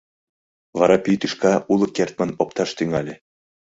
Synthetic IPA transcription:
vɑɾɑpʲit̪yʃkɑulˠɤ̆kʲert̪̚manopt̪ɑʃt̪yŋalʲĕ

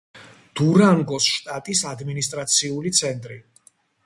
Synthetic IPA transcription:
d̪̥uɾaŋɡɔsʃt̪ʼat̪ʼisad̪minist̪ʼɾat̪sʰiulit̪sʰɛnt̪ʼɾi

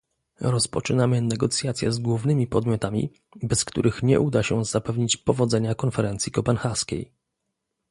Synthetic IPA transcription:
ɾɔspɔt͡ʂɘnamɘnɛɡɔt̪sʲjat̪sʲjɛ̰zɡwuvnɘmʲipɔd̪mʲjɔt̪amʲḭ | bɛskt̪uɾɘxɲɛ̰ʔud̪aɕɛzapɛvɲit͡ɕpɔvɔd̪zɛɲakɔnfɛɾɛnt̪sʲjikɔpɛnxaskʲḛj

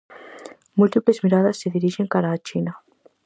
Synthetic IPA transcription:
mult̪iplezmiɾaðasːeðiɾiʃeŋkaɾaːt͡ʃina

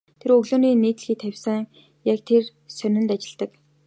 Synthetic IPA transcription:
t̪ʰeɾɵɣɮoːniːniːt̪ɮxiːt̪ʰːæwʲsə̆ŋ | jakt̪ʰer | sœnʲɪ̆nt̪at͡ɕɪ̆ɮt̪ə̆k

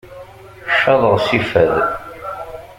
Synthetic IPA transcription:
ʃːɑðˤəɾˤsifæð

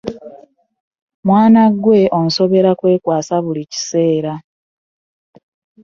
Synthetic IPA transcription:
mwaːnaɡwe̞omuso̞βe̞ɾakwe̞ːkwaːsaβulici̥se̞ːɾa

